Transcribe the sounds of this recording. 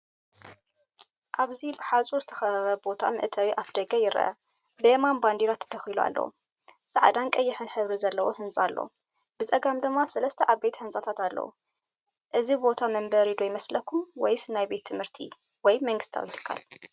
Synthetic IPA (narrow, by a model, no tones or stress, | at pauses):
ʔaβzibɨħazʼuzɨt̪ʰɐ̥xɐɾɐβɐbo̞t̪ʰa̰mɨ̰ʔt̪ʰɐwiʔafd̪ɐɡɐjɪɾɐ̰ʔɐ̰lemanband̪iɾat̪ʰːɐ̥t̪ʰɐxilua̰lːɐ̰ṵsʼaʕd̪ankʼɐjːɪħɨnħɨβɾizɐlːɐwohɨnsʼalːo̰b̥ɨsʼɐɡamd̪ɨmːasɐlɐst̪ʰɐʔaβbe̞t̪hɨnsʼat̪ʰat̪alːɐ̰wṵ | ʔɨzibo̞t̪ʰamɐmbɐɾid̪ojɪmɐslɐkʰumwɔjsɨnajbe̞t̪ʰːɨmhɨɾt̪ʰiwɔjmɐŋɡɨst̪ʰa̰wjɪt̪ʰɨ̥kʰːa̰l